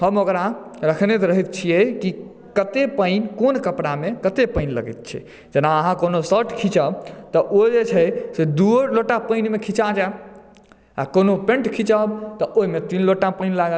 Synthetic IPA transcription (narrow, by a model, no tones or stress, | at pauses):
həmokɾaɾəkʰnet̪ɾəɦit̪̚t͡ʃʰijeki | kət̪epəɪnkonkəpɽamekət̪epəɪnlə̰ɡɛ̰t̪̚t͡ʃʰɛ̰ | d͡ʒənaəɦãkonosəʈʰkʰit͡ʃəbt̪ɔʔod͡ʒet͡ʃʰɛsed̪uɾloʈapəjnmekʰit͡ʃad͡ʒaeb | a̰konopẽɳʈkʰit͡ʃəbt̪ɔʔoɦimet̪inloʈapəjnlaɡə